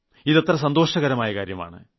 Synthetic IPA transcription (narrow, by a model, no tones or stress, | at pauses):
iðɐt̪rɐsɐnd̪o̞ːʂɐɣɐɾɐmaːjɐkaːɾjɐma̰ːɳɨ̰